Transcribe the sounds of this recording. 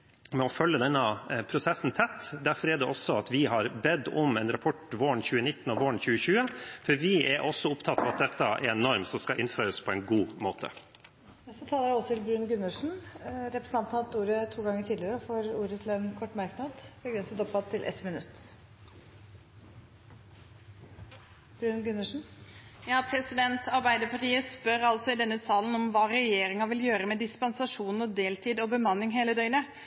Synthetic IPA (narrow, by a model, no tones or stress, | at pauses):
mɛɔfœlːəd̪ɛnːəpʰɾʊsɛsnt̪ʰɛt̪ːd̪æɾfɔɾɛɖɛʔɔsːɔɑt̪ʋɪɦɑɾbɛd̪ːʊmɛnɾɑpʰɔʈːʋoːɳçʉːənɪt̪ːnɔʋoːɳçʉːəçʉːəfɔɾʋɪɛɾʔɔsːɔʊpt̪ʰɑt̪ːɑʋɑt̪̚d̪ɛt̪ːɑʔɛ̰ɾɛnɔɾmsɔmskɑlʔɪnføːɾəspʰɔɛɪnɡuːmoːt̪ʰə̰ | nɛst̪ət̪ʰɑːləɾjæɔsɔt̪ʰɪlbɾʉːnɡʉnːəʂn̩ɾɛpɾɛsəɑnt̪ɑnt̪uːɾət̪ʰuːɡɑŋːəʈʰiːd̪lɪəɾəɔfoːɾuːɾət̪ʰɪlɛnkʰɔʈːmæɾknɑd̪bəɡɾɛnsət̪ɔpːɑt̪ʰːɪlʔɛ̰t̪mɪnʉ̰t̪ː | b̥ɾʉːnɡʉnəʂn̩jɑːpʰɾɛsɪd̪ɛnt̪ʰɑɾbæɪd̪əpʰɑʈiːəspœɾɑlsɔɪd̪ɛnːəsɑːlən̩ɔmʋɑːɾɛjeːɾɪŋɑʋɪljøːɾəmɛd̪ɪspɑnsɑʂuːnɔd̪eːlt̪ʰiːd̪ɔbəmɑnːɪŋɦeːləd̪œʏnə